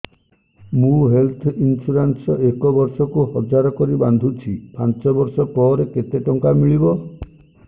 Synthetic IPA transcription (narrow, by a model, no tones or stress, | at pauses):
mũɦelt̪ʰinsuɾansɔʔekɔbɔɾsɔkuɦɔd͡ʒaɾɔkɔɾiband̪ʱut͡ʃʰipant͡ʃɔbɔɾsɔpɔɾeket̪eʈɔŋkamiɭibɔ